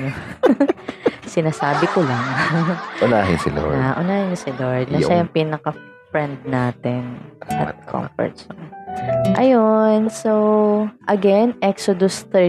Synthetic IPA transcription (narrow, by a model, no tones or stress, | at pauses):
sɪnaːsaːbɪkolɐŋʔʊnaːɦɪ̰nsɪd̪o̰aʔʊnaːhɪnɲosɪd̪oɹd̪nɐʃɐjʊŋpiːnɐkɐ | fɹɛnd̪̚naːt̪ɪnɐ̰t̪kʰɔ̰mfɔ̰ɹt̪sɐ | ʔɐjonsoʔɐɡɛnʔɛksod̪ʊst̪ɛ